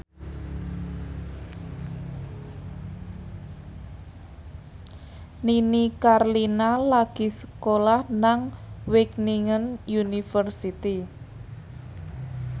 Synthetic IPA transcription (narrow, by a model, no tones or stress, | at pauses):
ninikarlinalaɡ̥i̤sə̥kolahnaŋwɪkniŋənjunifərsit̪i